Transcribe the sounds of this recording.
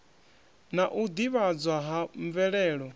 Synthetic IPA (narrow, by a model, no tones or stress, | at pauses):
naʔud̪iβad͡zwaɦaɱvɛɺɛːɺɔ